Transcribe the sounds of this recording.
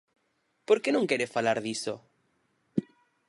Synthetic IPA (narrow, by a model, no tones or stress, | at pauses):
poɾkenõŋkeɾefalaɾðiso